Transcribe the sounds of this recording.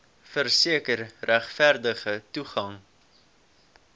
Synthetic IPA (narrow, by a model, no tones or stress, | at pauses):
fərsiəkərræχfærdəχətuχɐŋ